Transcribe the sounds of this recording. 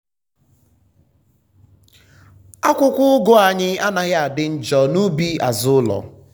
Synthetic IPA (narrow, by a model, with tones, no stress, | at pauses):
a˦kʷʊ˦kʷʊ˦ʊ˦ɡʊ˦a˨ɲɪ˦a˦na˨ɣɪ˦a˨dɪ˦n̩˦d͡ʒɔ˨nu˦bi˦a̰˨zʊ˦lɔ̰˨